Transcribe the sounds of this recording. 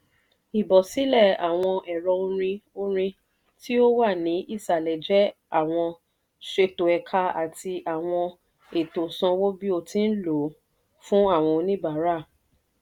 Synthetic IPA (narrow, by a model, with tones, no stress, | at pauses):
i˨bɔ˨si˨˦lɛ˦˨a˨w̃ɔ̃˧ʔɛ˨ɾɔ˧o˧ɾ̃ĩ˧o˧ɾ̃ĩ˧ | ti˦o˦wa˦˨nĩ˨˦ʔi˦˨sa˨lɛ˨d͡ʒɛ˨˦ | a˦˨w̃ɔ̃˧ | ʃe˧to˨ɛ˨kʰa˧a̰˨tʰi˧ʔa˨w̃ɔ̃˧ | e˨to˨sã˧wo˦bi˦o˧tʰĩ˦n̩˦lo˨˦ | fũ˦a˦˨w̃ɔ̃˧nĩ˦ba˨˦ɾa˦˨